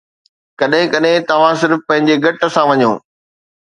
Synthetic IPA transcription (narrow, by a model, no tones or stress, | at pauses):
kɐɗɦɪ̃kɐɗɦɪ̃t̪ɐʋ̤ãsɪɾfpɐ̃ɦɪ̃ɲd͡ʑeɡʱɐʈə̆sãʋɐɲõː